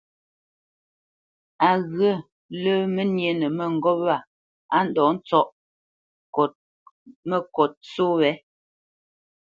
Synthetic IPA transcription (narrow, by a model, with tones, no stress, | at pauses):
a˨ɣə˦˨ | lə˦mə˦nje˨nə˨mə˦˨ŋ̩˨ɡɔ˦p̚a˦˨ | a˦n̩˦dɔ˨˦n̩˦t͡sɔ˦ʔ | kɔ˨t̚ | mə˦kɔ˨t̚t͡so˦wɛ˨˦